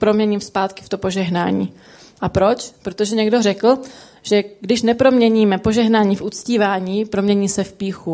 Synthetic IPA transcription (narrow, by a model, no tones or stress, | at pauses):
pɾo̞mɲɛɲiːmspaːt̪kɪ̥ft̪opo̞ʒɛɦna̰ːɲḭː | ʔapɾo̞t͡ʃpɾot̪o̞ʒɛɲɛɡdo̞rɛkl̩ | ʒ̥ɛɡdɪʃnɛpɾo̞mɲɛɲiːmɛpo̞ʒɛɦnaːɲiːfʔut͡sciːvaːɲiːpɾo̞mɲɛɲiːsɛfpiːxu